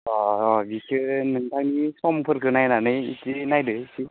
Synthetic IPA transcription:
ɔbikɯnɯntaknisɔmpʰɯɾkʰɯnajnanɯjḭtinajdɯsi

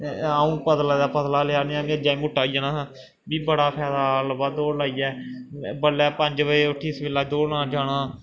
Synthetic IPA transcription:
aːũːpəd̪laːd̪aːpəd̪laːlɪaːneãːmẽd͡ʒaːiːmʊʈːaːijaːnãː | biːbəɽaːpʰɛːsaːlbaːd̪oːlaːiːɛːbəlɛːpəɲd͡ʒʋəeːʊʈʰːiːsʋɪlːaːd͡ʒoːɽnãːd͡ʒaːɽaː

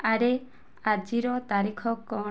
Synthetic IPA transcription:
aɾe | ad͡ʒiɾɔt̪aɾikʰɔkɔ

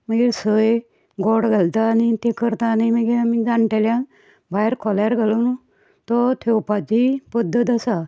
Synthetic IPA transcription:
məɡisəj | ɡɔɽɡʱəlt̪aːnit̪ẽkəɾt̪animəɡiamid͡zãɳʈeljã | bʱajɾkʰɔlaɾɡəlun | t̪ɔt̪ʰewpat͡ɕipəd̪ʱːət̪əsa

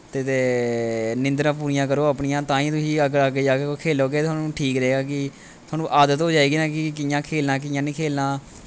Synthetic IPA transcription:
t̪eːt̪eː | nɪ̃nd̪ɾãːp̬uːɾɪjãːkəɾoːapɳɪjãːt̪ãːĩːt̪ʊsĩːəɡəɾaːɡaːkeokʰeːloːɡeːt̪ʰaːnũːʈʰiːkɾəeːɡaːkɪ | t̪ʰoʊaːnũːʔaːd̪ət̪ɦoːd͡ʒaːeːɡiːnaːkɪkɪjãːkʰeːlnaːk̬ɪjãːnĩːkʰeːlnaː

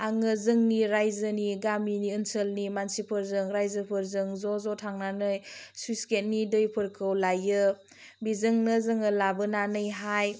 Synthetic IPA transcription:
aŋɯzɯŋniɾajzɯniɡaminiɯnsəlnimansipʰɯɾzɯŋɾajzɯpʰɯɾzɯŋzɔzɔtʰaŋnanɯjsuisket̚nidɯjpʰɯɾkʰɯwlajɯ | bizɯŋnɯzɯŋɯlabɯnanɯjɦaj

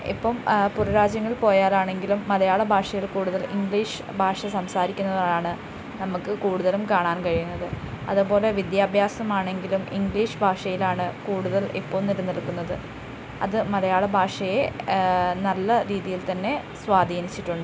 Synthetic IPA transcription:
ḭpːɐmpurɐɾaːd͡ʑjɐŋːɐɭpo̞ːjaːɾaːɳe̞ŋɡilumːɐlɐjaːɭɐbʱaːʂɐjiɭkuːɽuðɐliŋɡɭiːʂɨbʱaːʂɐsɐmsaːɾikʲːunːɐðoːlaːɳɨ | nɐmukːɨkuːɽuðɐlumkaːɳaːnkɐɻijunːɐðɨ | ɐ̰ðupo̞ːle̞ʋid̪jaːbʱjaːsɐmaːɳe̞ŋɡilumiŋɡliːʂɨbʱaːʂɐjilaːɳɨkuːɽuðɐlipːoːmniɾunːiɭkːunːɐðɨ | ɐ̰ðɨmɐlɐjaːɭɐbʱaːʂɐje̞ | nɐlːɐɾiːðijilt̪ɐnːe̞ | sʋaːd̪ʱiːnit͡ɕːiʈːuɳɖɨ

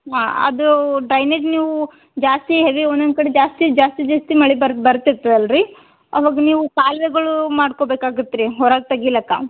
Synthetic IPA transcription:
ɦaːɐ̰d̪uɖɾɐjned͡ʒniːʋu | d͡ʒaːst̪iɦeʋiond̪ond̪kɐɽed͡ʒaːst̪id͡ʒaːst̪id͡ʒaːst̪imɐɭibɐɾbɐɾt̪ːiɾt̪ːuɐlɾi | ɐʋaːɡɐniːʋukaːlʋeɡɐɭumaːɖkobeːkaːɡut̪ːɾiɦɔɾaːɡ̚t̪ɐɡilːɐkːa̰ː

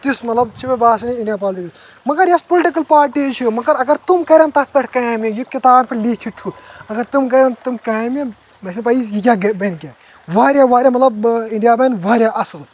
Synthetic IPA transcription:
t̪ismɐt̪lɐb̚t͡ʃʰibebaːsɐniɳɖijapaːlʈidis | mɐɡɐɾjɐspolʈikɐlpaːɾʈit͡ʃʰimɐɡɐɾɐɡɐɾt̪umkɐɾʲɐnt̪ɐspɐʈʰkɐmijut̪̚kʲit̪aːnpɐɾlikʲʰiʈʰuɐɡɐɾt̪umkɐɾʲɐnt̪umkɐːme | mɐt͡ʃʰnpɐisjik̬ʲaːɡbɐnkʲaː | ʋaːɾʲjaʋaːɾjamɐt̪lɐbĩɳɖijaːbɐnʋaːɾʲjaʔɐsɐl

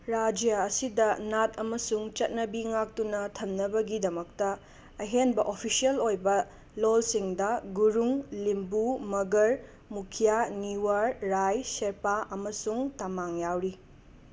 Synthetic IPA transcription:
ɾad͡ʒjɐːsidɐnatɐmɐsuŋt͡ʃɐt̚nɐbiŋak̚tunɐtʰɐmnɐbɐɡidɐmɐktɐ | ɐɦenbɐʔopʰisiɐlojbɐ | lolsiŋdɐɡuɾuŋlimbumɐɡɐɾ | mukʰijaniwaɾɾajseɾpaʔɐmɐsuŋtamaŋjawɾi

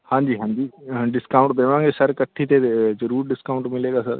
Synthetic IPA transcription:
hãːɲd͡ʒiːɦãːɲd͡ʒiːɖɪskaːʊ̃ɳʈd̪eːʋãːŋɡesəɾkəʈʰːit̪ezəɾuːɾɖɪskaːʊ̃ɳʈmɪleːɡaːsə̰ɾ

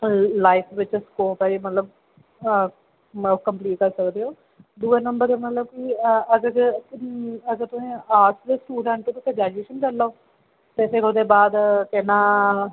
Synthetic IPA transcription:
laːɪpʰʋɪt͡ʃskoːpɛːimət̪ləb̚ | okəmpliːʈ̚kəɾsəkd̪eːɦoː | d̪uːenəmbəɾd̪emət̪ləb̚kiːəɡəɾ | əɡəɾt̪ʊsĩːaːɾsd̪eːsʈuːɖə̃ɳʈot̪ʊk̪eːd͡ʒaːd͡ʒeːʃənt͡ʃəlːaoː | t̪eːseːkoːd̪eːbaːd̪kɛnaː

